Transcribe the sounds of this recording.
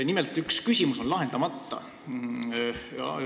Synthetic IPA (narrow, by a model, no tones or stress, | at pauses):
nimelt̪ˑykskysʲimuso̞nlɑɦe̞nd̪̥ɑmɑt̪ːɑ̰ | ɑ̰